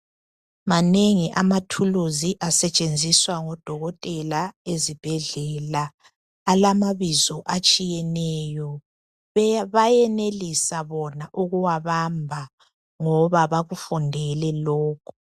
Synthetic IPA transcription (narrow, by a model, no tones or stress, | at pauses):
maneŋiʔamatʰuluziʔasɛt͡ʃʼend͡zʱiswaŋɔd̥ʱɔɣɔtʼɛlaezib̥ʱɛɮɛlaː | lamaβizɔʔat͡ʃʼijɛnɛjɔ | βajɛnelisaβɔnaʔuɣuwaβambʱa | ŋɔβaβaɣufundʱɛlɛlɔːkʰu̥